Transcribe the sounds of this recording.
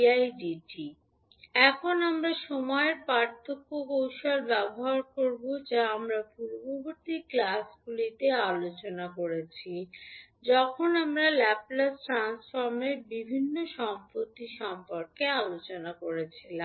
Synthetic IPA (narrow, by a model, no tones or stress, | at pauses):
ajɖiʈi | ɛkʰonamɾaʃɔmɔeɾpaɾt̪ʰokːokowʃaɾbɛboɦaɾkoɾbod͡ʑaamɾapuɾoboboɾt̪iklasɡulit̪ealot͡ɕonakoɾet͡ɕʰid͡ʑɔkʰonamɾalɛblasʈɾansfaɾmeɾbibʱinːoʃɔmpɾot̪iʃɔmpoɾkealot͡ɕonakoɾet͡ɕʰilam